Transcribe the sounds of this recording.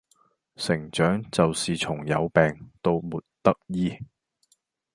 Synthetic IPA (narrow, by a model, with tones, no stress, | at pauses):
sɪ˨˩ŋt͡ʃœː˨˥ŋt͡sɐ˨wsiː˨t͡ʃʰʊ˨˩ŋjɐ̰˨˧wpɛː˨ŋt̪o˥wmuː˨t̚t̪ɐ˥k̚jiː˥